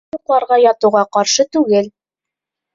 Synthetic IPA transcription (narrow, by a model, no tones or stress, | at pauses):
uqlˠɑɾʁɑjɑt̪ŭwʁɑqɑɾʃɤt̪ʉɡɘl